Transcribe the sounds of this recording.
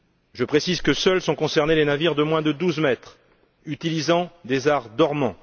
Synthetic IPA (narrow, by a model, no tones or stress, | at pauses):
ʒəpχesizkəsœlsɔ̃kɔ̃sɛʁnelenaviʁd̪əmwɛ̃d̪əd̪uzmɛt̪χ | yt̪ilizɑ̃d̪ezaʁd̪ɔʁmɑ̃